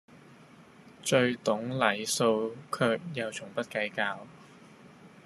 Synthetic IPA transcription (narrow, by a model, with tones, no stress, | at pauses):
t͡ʃɵ˧ɥt̪ʊ˨˥ŋlɐ˨˩jso˧wkʰœː˧k̚jɐ˨˧wt͡sʰʊ˨˩ŋpɐ˥t̚kɐ˨˥jkaː˧w